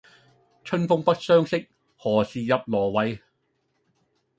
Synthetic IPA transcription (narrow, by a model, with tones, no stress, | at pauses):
t͡ʃʰɵ˥nfʊ˥ŋpɐ˥t̚sœː˥ŋsɪ˥k̚ | hɔː˨˩siː˨jɐ˨p̚lɔː˨˩wɐ˨˧j